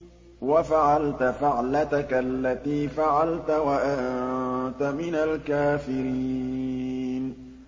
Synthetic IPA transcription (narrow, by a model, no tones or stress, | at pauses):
wafaʕalt̪afaʕlat̪akaʔlːat̪iːfaʕalt̪awaʔa | t̪amɪnalkaːfɪɾiː | n